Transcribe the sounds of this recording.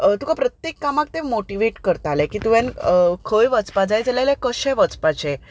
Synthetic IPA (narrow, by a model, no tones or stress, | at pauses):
t̪ukapɾət̪jekːamak̚t̪ẽmoʈiʋeʈkəɾt̪alẽkiːt̪uʋẽnkʰəjʋət͡spad͡zajd͡zalalɛ̃kəɕɛ̃ʋət͡spat͡ɕẽ